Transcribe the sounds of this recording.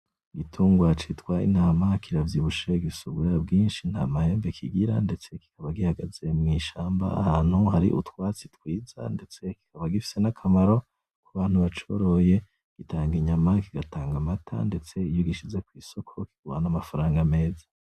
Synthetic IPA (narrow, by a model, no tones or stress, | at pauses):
ɡitʰuːŋɡwat͡ʃitkwaḭnaːmakʰiɾavjiβuʃeɡisuɡuɾabɡiːnʃin̥ha̰mahe̞ːmbe̞kʰiɡiɾande̞t͡se̞ki̥kʰaβaɡihaɡaze̞mŋiːʃaːmba̰ːhaːn̥huhaɾḭʔṵtwaːt͡sitwiːza̰nde̞t͡se̞ki̥kaβaɡifi̥se̞nakʰamaɾo̞ | kuβaːn̥huβat͡ʃo̞̰ɾo̞je̞ | ɡ̥itaːŋɡiɲamakiɡataːŋɡamatʰa̰nde̞t͡se̞ijoɡiʃizekwiːso̞kʰo̞ki̥ɡua̰namafaɾaːŋɡame̞ːzḁ